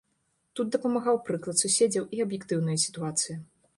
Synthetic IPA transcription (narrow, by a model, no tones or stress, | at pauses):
t̪ud̪̚d̪ɐpɐmaɣawpɾɨklˠɐt̪susʲed͡zʲɐwʔiɐbjɛkt̪ɨwn̪ɐjɐsʲi̥t̪uat̪sɨji